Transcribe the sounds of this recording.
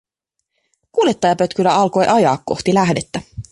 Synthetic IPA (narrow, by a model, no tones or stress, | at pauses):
kuːljet̪ːɑjɑpø̞t̪kylːæɑlko̞jʔɑjɑːkːo̞̰xt̪ilæɦdet̪ːæ